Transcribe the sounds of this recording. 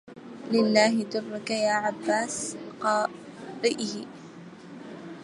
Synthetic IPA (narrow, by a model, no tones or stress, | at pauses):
lɪlːaːɦɪd̪ʊrˤːʊkajaːʕabːaːsqɑː | ɾˤɪʔɪhɪ